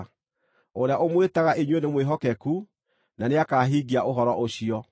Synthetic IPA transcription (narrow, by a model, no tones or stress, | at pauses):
oɾeaʔomwetaɣaʔeɲwenemweɦɔkɛku | naneakaːɦiːɡiaʔoɦɔɾɔʔoɕiɔ